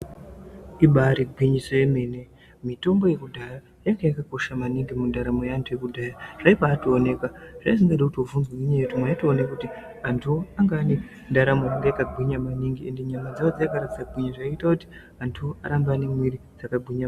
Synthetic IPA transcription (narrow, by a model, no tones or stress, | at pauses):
iɓaɾiɡʱwiɲiso̞je̞me̞ːne̞ | mito̞mbo̞je̞kudʱaja | jaŋɡajakako̞ʃamaniŋɡimundaɾamojaantʰuje̞kudʱajaʐ̥aipaːtoːne̞kaʐ̥aisiŋɡaɗakutovunzɡamiɲajetumaitoonekuti | antʰuoaŋɡaːne | ndaɾamojaŋɡajakaɡʱwiɲamaniŋɡie̞nde̞ɲamand͡zawod͡zajakaɾatit͡saɡʱiɲaʐaitakuti̥ | antʰuoaɾambane̞mwiɾid͡zakabʱiɲa